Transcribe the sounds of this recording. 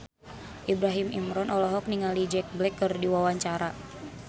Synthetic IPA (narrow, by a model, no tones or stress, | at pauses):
ʔibɾaɦimḭmɾɔnʔɔlɔɦɔk̚niŋalid͡ʒɛk̚blɛkːɨrdiwawaɲt͡ʃaɾa